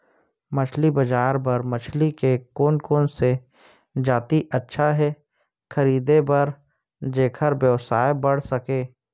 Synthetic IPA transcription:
mɐt͡ʃʰlibɐd͡ʒaːɾbɐɾmɐt͡ʃʰlikekoːnkoːnse | d͡ʒaːt̪iʔɐtːʃʰaɦɛ | xʰɐɾiːd̪ebɐɾ | d͡ʒeːkʰəɾbjəʋsaːebɐɽ̤sɐkeː

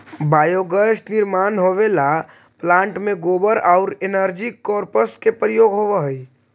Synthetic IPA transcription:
bajoɡəsʈniɾmanɦoβela | plãɳʈmeɡobəɾaʊɾenəɾd͡ʒikːɔɾpəskepɾijoɡɦobəɦəj

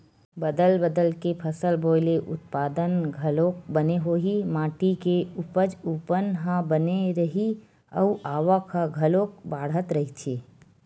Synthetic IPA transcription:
bɐd̪əlbəd̪əlkepʰəsəlboːɪleʔʊ̰t̪̚paːd̪ənɡʱɐloːk̚bɐneɦoːɦimaːʈikeʊpəd͡ʒupənɦãbəneɾɐɦi | ə̰ʔaːʋakʰaɡʱɐlõːk̚baːɽɦət̪ɾɐɦit͡ʃʰeː

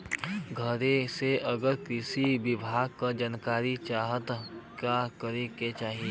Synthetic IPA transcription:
ɡʱəɾeseʔəɡəɾkɾɪʃibɪbʱaːɡ̚kad͡ʒankaːɾit͡ʃaːɦət̪kakəɾeket͡ʃaːɦie

